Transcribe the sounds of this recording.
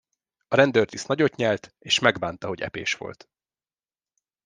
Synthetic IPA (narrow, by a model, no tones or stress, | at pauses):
ɒɾɛnd̪ørt̪isnɒɟo̞t̪ɲɛlt̪eːʃmɛɡbaːnt̪ɒɦo̞ɟɛ̰pḛːʃʋo̞̰lt̪